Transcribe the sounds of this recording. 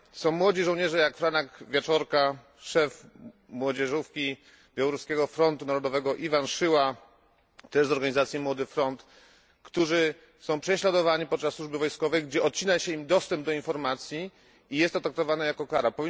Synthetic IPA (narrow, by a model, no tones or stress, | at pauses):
sɔ̃w̃mwɔd͡ʑiʐɔ̃w̃ɲɛʐɛjakfɾanakvʲjet͡ʂɔɾka | ʂɛf | mwɔd͡ʑɛʐufkʲi | bʲjawɔɾuskʲɛɡɔfɾɔnt̪unaɾɔd̪ɔvɛɡɔʔivanʂɘwa | t̪ɛʐzɔɾɡaɲizat̪sjimwɔd̪ɘfɾɔnt̪ | kt̪uʐɘ | sɔ̃w̃pʂɛɕlad̪ɔvaɲipɔt̪̚t͡ʂasːwuʐbɘvɔjskɔvɛjɡd͡ʑɛɔt̪̚t͡ɕinaɕɛimd̪ɔst̪ɛmb̚d̪ɔinfɔɾmat̪sʲjiː | jɛst̪ɔt̪ak̚t̪ɔvanajakɔkaɾapɔvʲi